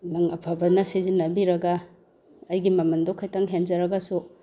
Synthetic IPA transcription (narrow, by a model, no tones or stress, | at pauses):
nɐŋɐ̰pʰɐbɐnɐsizinːɐbiɾɐɡɐ | ɐjɡimɐmɐndokʰːajtaŋɦend͡ʒɐɾɐɡɐsu